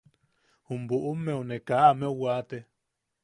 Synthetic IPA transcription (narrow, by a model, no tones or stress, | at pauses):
humbuʔumːẽunekaːmeuwat̪e